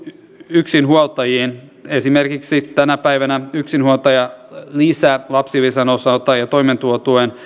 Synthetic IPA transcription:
yksinhuolt̪ɑjiːn | esimerkiksit̪ænæpæiʋænæyksinhuot̪ɑjɑlisælɑpsiʋisɑnosɑut̪ɑjɑt̪oiment̪uot̪uen

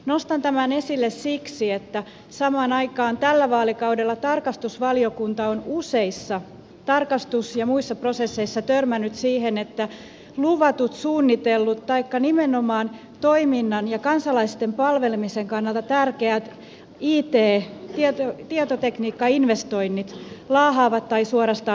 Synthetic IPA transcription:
nost̪ɑnt̪æmænesilːessiksiet̪ːæ | sɑmɑːnɑikɑːnt̪ælːæʋɑːlikɑudelːɑt̪ɑrkɑst̪usʋɑliokunt̪ɑonuseisːɑ | t̪ɑrkɑst̪usjɑmuisːɑprosesːeisːɑt̪ørmænːˑyt̪siːhenet̪ːæ | luʋɑt̪ut̪suːnːit̪elːut̪t̪ɑikːɑnimenomɑːn | t̪oiminːɑnjɑkɑnsɑlɑist̪empɑlʋelemiseŋkɑnːɑlt̪ɑt̪ærkeæt̪ | iːt̪eːt̪iet̪ot̪iɑt̪ot̪ekniːkːɑinʋest̪oinːit̪lɑːɦɑːʋɑt̪tɑisuoɾɑst̪ɑ

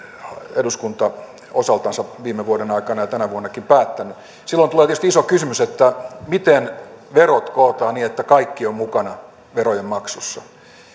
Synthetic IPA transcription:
eduskunt̪ɑ | osɑlt̪ɑnsɑʋiːmeʋuodenɑikɑnɑjɑt̪ænæʋuonːɑkimpæːt̪ːæny | silːont̪uleːt̪ieˑøst̪iisokysymyset̪ːæmit̪enʋerot̪koːt̪ɑːniːet̪ːækɑikːiommukɑnɑ | ʋerojemmɑksusːɑ̰

